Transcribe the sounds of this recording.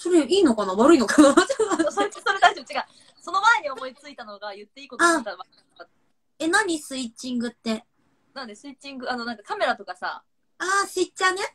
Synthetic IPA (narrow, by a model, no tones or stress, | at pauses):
so̞ɾe̞iːno̞kɑnaβaɾɯ̟ino̞kanat͡ɕaaoeso̞ɾe̞d̪aiʑo̞bt͡ɕiɡa | so̞no̞mae̞ɲ̟io̞mo̞it͡sɨit̪ano̞ɡajɯ̟t̪ːe̞iːkoat̪aβakanaka | e̞naɲ̟isɨit͡ɕĩŋɡɯ̟t̪ːe̞ | nãnd̪esɨit͡ɕĩŋɡɯ̟ano̞nãŋkakame̞ɾat̪o̞kasa̰ | aːɕit͡ɕːane̞